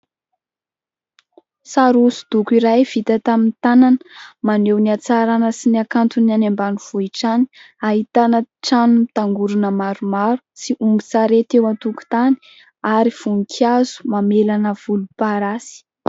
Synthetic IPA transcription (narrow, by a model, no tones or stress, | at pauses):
saɾusu̥d̪ukiɾajv̥it̪at̪amint̪ananə̥manewniat͡saɾanəsiniakant̪unanambanuv̥oiʈ͡ʂani̥ | aɦit̪anəʈ͡ʂanumit̪aŋɡuɾunəmaɾumaɾu̥siʔumbit͡saɾet̪ewant̪uku̥t̪ani̥ | aɾiv̥unikʰazu̥mamelanəv̥ulupaɾasi̥